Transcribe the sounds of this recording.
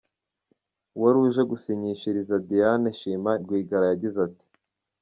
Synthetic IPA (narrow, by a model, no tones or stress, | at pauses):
waɾuʒeɡusiɲiʃiɾizadijaneʃiːmaɾɡwiːɡaɾajaɟizati̥